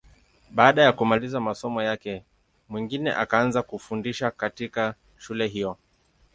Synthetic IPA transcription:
ɓaːɗajakumalizamasɔmɔjakɛ | mwiŋɡinɛ̰ʔakaanzakufundiʃakatika | ʃulɛɦijɔ

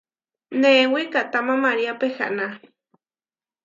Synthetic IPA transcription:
newikat̪amamaɾiapexa̰ʔna

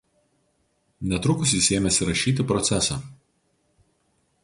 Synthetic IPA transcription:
nʲɛt̪ɾʊkʊs̬ʲɪsʲeːmʲɛsʲɪɾɐʃʲiːt̪ʲɪpɾɔt̪sʲæsɑːˑ

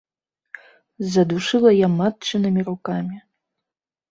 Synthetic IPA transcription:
zɐd̪uʂɨlˠɐjamat̚t͡ʃɨnɨmʲirukamʲi

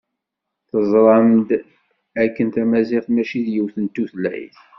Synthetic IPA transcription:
θəzˤɾˤɑmd̪ | ækːənt̪æmæziʁθmæʃiðjəwθənt̪ːuθlæ̰j̰θ

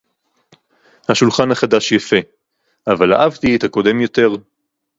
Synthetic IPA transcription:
haʃulχanhaχadaʃjafe̞ | ʔavala̰ʔavt̪iet̪ako̞de̞mjo̞t̪e̞ʁ

